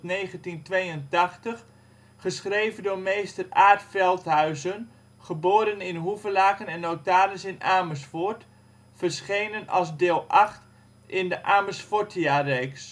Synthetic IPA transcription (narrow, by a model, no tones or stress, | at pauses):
nejχəntintʋejəntɑχtəχ | χəsχrejvəndʊːɹmejstəraːɹtfɛlˠtɦœɥzən | χəboːɾənɪnɦuvəlaːkənɛnːowtaːɾəsɪnʔaːməsfɔt | fəɹsχejnənɑ̰lˠsdɪːlˠʔaχt | ɪndəʔaːməsfʊtʰiarejks